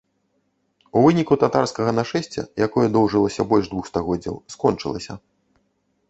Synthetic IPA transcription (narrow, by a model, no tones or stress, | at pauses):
uvɨnʲikut̪at̪arskɐɣɐnaʂɛsʲt͡sʲɛ̰jakɔjɐd̪ɔwʐɨlˠɐsʲɐbɔlʲʂd̪vuxst̪aɣɔd͡zʲːɐ̰wskɔnt͡ʂɨ̰lˠɐ̰sʲɐ̰